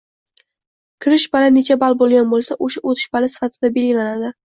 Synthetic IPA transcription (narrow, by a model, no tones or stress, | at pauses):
kʲʰɪɾɪʃbalane̞t͡ʃʰabalbolˠɡʲanbolˠsaʔoʃaʔot̪ʰɪ̥ʃbalasɪ̥fat̪ʰɪd̪abe̞lɡʲɪlanad̪ɪ